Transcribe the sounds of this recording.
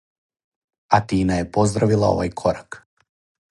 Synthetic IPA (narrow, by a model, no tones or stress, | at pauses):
at̪iːnajepo̞zd̪ɾaʋilˠao̞̰ʋajkʰoɾak